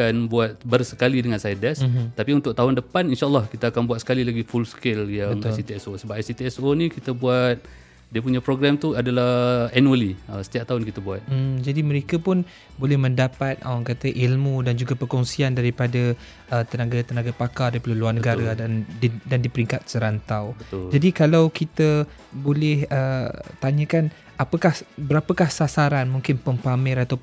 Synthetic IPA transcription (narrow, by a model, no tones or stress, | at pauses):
anbuat̪̚bərsə̥kalidəŋansadɛst̪apiunt̪ʊk̚t̪aɦʊndəpaninʃaʔəlːɑhkit̪aːkanbwat̪̚sə̥kalilaɡifulskɪljaəŋasit̪iɛsosəbapsit̪iɛsonĩkit̪abuat̪̚ | diəpuɲapɾoɡɾamt̪uadalahɛnuəliəsə̥t̪iap̚t̪aɦʊnkit̪abuat̪̩̚d͡ʒadiməɾekapʊn | bolɛhmə̃ndapat̪̚a̰waŋkat̪əʔilmudand͡ʒuɡapərkɔŋsiandaɾipada | ət̪ənaɡat̪ənaɡapakadaɾipəluluarnəɡaɾadanddandipəɾiŋkat̪̚səɾant̪awbət̪ʊld͡ʒadikalawkit̪ə | bolɛhət̪aɲə̃kan | apəkahbəɾapəkahsasaɾanmũŋkɪnpəmpamɪɾat̪awp